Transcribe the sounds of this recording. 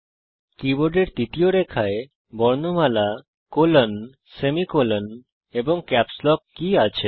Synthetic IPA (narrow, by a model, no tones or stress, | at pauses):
kiboɾɖeɾt̪it̪ioɾekʰae | bɔɾnomala | kolon | semikolon | eboŋkɛpslɔkːiat͡ɕʰe